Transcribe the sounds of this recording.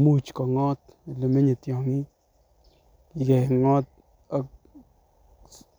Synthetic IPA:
mu˦˨t͡ʃkɔ˨ŋɔ˦t̪ | le˨me˦ɲe˨t̪jɔ˨ŋi˦˨ | ɡɛ˨ŋɔ˦t̪̚ | a˦k

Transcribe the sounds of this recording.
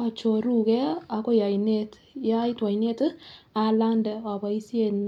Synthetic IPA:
a˨t͡ʃo˨ɾu˦kɛ˦a˨ko˦ja˨jne˦t | ja˦jtwa˨jne˦ta˨la˦ndɛ˨wa˨ba˨i˦sje˦˨n

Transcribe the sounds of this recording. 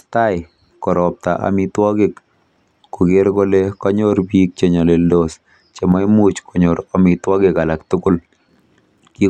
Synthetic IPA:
ta˦ɪ | kɔ˨ɾɔ˨p̚ta˨ʔa̰mitwɔ˦ɡɪkː | kʊ˨ɡɪ˦ɾko˦lekɔ˦ɲo˦ɾbi˦k̚t͡ʃe˨ɲa˨le˨ldos | t͡ʃe˨ma˦jmu˦t͡ʃkʰɔ˨ɲo˨ɾɔmɪtwɔ˦ɡɪ˨ka˨la˨ktʊkʊ˦l | ki˦

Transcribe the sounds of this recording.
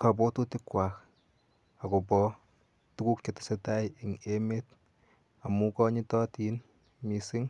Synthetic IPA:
ka˨pɔ˦to˦tɪ˦kwa˨k | a˨ko˨pɔ˦ | tu˦ku˦k̚t͡ʃe˨tɪ̥˨se˦ta˦jɪ˨ŋe˦me˦t̚ | a˨mu˦kɔ˦ɲi˦tɔ˦ti˨n | mi˨sɪ˦ŋ

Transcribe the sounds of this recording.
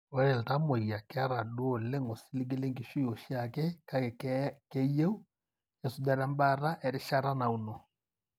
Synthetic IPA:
o˦ɾɛ˨lta˦mo˨ja˨ka˦ɾa˨dwo˨le˦ŋɡo˨si˦li˦ɡe˦le˦ŋɡi˨ʃu˦jo˨ʃja˨kɛ˦ka˨kke˦je˦u˦ | jɛ˨su˨dɛ˨ɾa˦mba˦ɾa˦ʔɛ˨ɾɪ˦ʃa˦ɾa˦na˨u˨no˨

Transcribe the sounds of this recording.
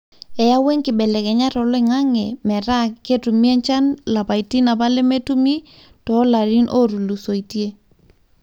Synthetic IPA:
ɛ˨ja˦we˦ŋkɪ˨ɓɛ˨lɛ˨kɛ˨ɲa˦tɔ˨lɔ˦ɪ˨ŋa˦ŋɛ˨mɛ˨ɾa˦ke˦tu˨mi˦ɛ˦ɲt͡ʃa˦nla˨pa˨iti˦na˨pa˦lɛ˦me˦tu˦mi˦ | tɔ˨˦la˨ɾi˦nʔo˦ɾu˨lu˨so˨i˨tje˦

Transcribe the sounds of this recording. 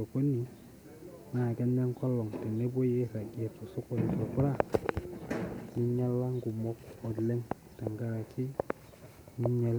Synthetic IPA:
o˨ko˦ni˨ | na˨ɡɛ˦nde˦ŋ˦ko˦lɔ˨ŋte˨ne˦bo˦je˦ɾa˨ɡi˨e˨to˨su˦ko˨n˨to˨pɾa˦ | ni˦ɲa˦lːa˦ŋ˦ɡu˨mɔ˦k̚ɔ˨dlɛ˦ŋ | ta˨ŋɡa˨ɾa˨ki˦ | ni˦ɲɛ˦l

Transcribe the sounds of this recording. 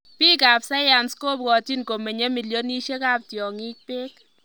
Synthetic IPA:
pi˦ka˨psa˦ja˨nskoː˦p̚kɔ˨ti˦nko˨me˨ɲe˦mi˨ljo˦ni˦ʃe˦ka˦˨p̚tjɔ˨ŋi˦k̚pe˦k

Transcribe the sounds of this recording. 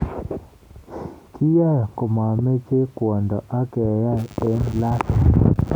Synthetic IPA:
kʰi˦ja˦jko˨ma˨me˦t͡ʃe˦kwɔ˨ndɔ˨ʔa˦kɛ˨ja˦˨e˦nla˦t

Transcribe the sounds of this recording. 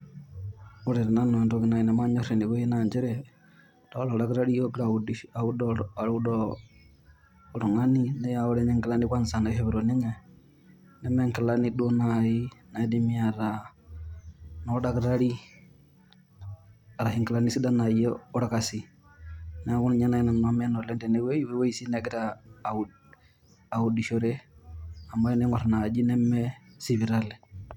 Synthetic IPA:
u˦ɾɛ˨ɾa˨na˦nɔ˨ntɔ˦ɡi˨na˨i˨na˨ma˦ɲɔ˦ɾe˨ni˨ko˦ɛ˦na˨ɲd͡ʒɛ˦ɾɛ˨ | dɔ˦lɔ˨da˦ɡɾa˦ɾi˦jo˦ɡɾa˨u˨di˦a˨u˦dɔ˨ɾu˦dɔ | ɾu˨ŋa˦ni˦nɛ˦jaɔ˦ɾɛ˦ɲɛ˦ŋkɪ˨la˦ni˦kwa˦nsa˨na˨˦ɛ˦βɛ˨ɾo˨nɪ˦ŋɛ˨ | nɛ˦mɛ˦ŋkɪ˨la˦ni˦du˦o˦nai˦na˨˦di˦mi˦a˨ɾa | nɔda˦kɾa˦ɾi˦ | a˨ɾa˨hi˨ŋki˨la˦ni˦si˦da˦na˨jɛ˦ɔ˦ɾa˦kasi˨ | nɛ˨˦ku˦nɲa˦na˦i˦na˨na˦m˦a˦nɔ˨lɛ˦ndɛ˨ne˦we˦jwe˦we˦i˨si˦nɛɡi˦ɾa | a˨u˨di˨ʃo˨ɾɛ˦ | a˨mːa˦ɛ˦nɛ˦ŋɔ˨ɾna˨d͡ʒi˦nɛ˦mːɛ˦si˨βi˨ɾa˦lɛ˨

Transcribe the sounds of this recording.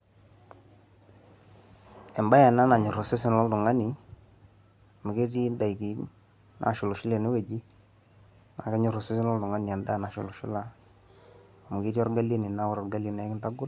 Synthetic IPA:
ɛ˨mba˦ja˨na˦na˨ɲʊ˨ɾʊ˨sɪ˦sɪ˦nlɔ˦ldʊ˨ŋa˦nɪ˨ | mʊ˨ke˦t̬i˦nda˨i˨ki˨ | na̰˨ʃʊ˨lʊ˨ʃʊ˦le˨nɪ˦we˨d͡ʒi˦ | na˨ka˦ɲʊ˦˨ɾʊ˨sɪ˦sɪ˦nlɔ˦ldʊ˨ŋa˦nɪ˨a˨nda˦˨na˨ʃʊ̰˨lʊ˨ʃʊ˦la˨ | a˨mʊ˨ke˦ti˦ɔ˦ɾɡa˦le˦ni˨na˦wʊ˦ɾɔ˨rɡa˦li˨na˨˦kɪ˦nta˦ɡʊ˦t

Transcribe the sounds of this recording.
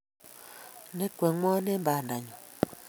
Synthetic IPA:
ne˦kʷe˨ŋɔ˦ne˦m˦ba˨n˨da˨ɲɔ˨

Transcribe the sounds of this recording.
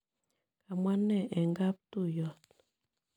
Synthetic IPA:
ka˨mwa˦nːɛ˦˨ʔɛ˨ŋɡa˦p̚tu˦jɔ˦˨t̚

